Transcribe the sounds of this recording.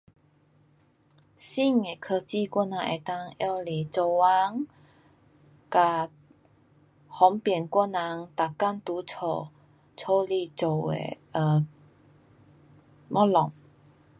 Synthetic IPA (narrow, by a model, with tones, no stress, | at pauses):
si˥˩ŋe˨˩kʰə˧t͡ɕi˥˧kwa˥˩nã˧ŋʔḛ˨˩t̪a˦˧ŋjɔ˥˧˩li˨˩t͡so˧˩wa˧˦ŋ | ka˨˩ | hɔ˨˦ŋpjɛ˨˩nkwa˥na˧˦ŋt̪a˨ka˥˨nt̪u˨˦t͡sʰo˧˩˨ | t͡sʰo˥˦li˧˨t͡so˨˩ḛ˨ | ə˧˩ | mɔ˦˥lɔ˨˩ŋ